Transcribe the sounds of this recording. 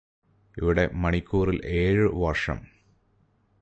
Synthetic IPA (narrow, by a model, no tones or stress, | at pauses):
iʋiɽe̞mɐɳikʲːuːrilʔe̞ːɻɨʋɐrʂɐ̰m